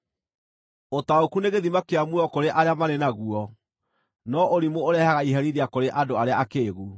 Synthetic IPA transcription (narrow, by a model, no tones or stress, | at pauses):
otaokuneɣeðimakeamuɔkoɾeʔaɾeamaɾenaɣuɔ | nɔʔoɾimoːɾɛhaɣaiɦaɾiɾeakoɾeʔadoaɾeaːkeːɣu